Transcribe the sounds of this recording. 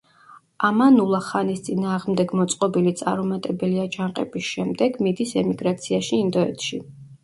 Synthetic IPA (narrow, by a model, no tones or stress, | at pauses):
amanulˠaχanist̪sʼinaːʁmd̪ɛɡmɔt̪sʼqʼɔbilit̪sʼa̰ɾumat̪ʼɛbɛliad͡ʒaɴqʼɛ̰bisʃɛmd̪ɛɡmid̪isɛmiɡɾat̪sʰiaʃiːnd̪ɔɛt̪ʃi